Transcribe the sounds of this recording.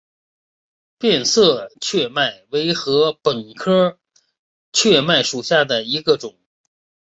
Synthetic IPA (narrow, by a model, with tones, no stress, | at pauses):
pjɛ˥˧nsɤ˥˧t͡ɕʰɥɛ˥˧ma˥˩ɪwe˧˥ɪxɤ˧˥pə˨˩nkʰɤ˥ | t͡ɕʰɥɛ˥˧ma˥˩ɪʂu˨˩ɕja˥˩d̪ə˩i˧˥ɡə˧ʈ͡ʂʊ˨˩˦ŋ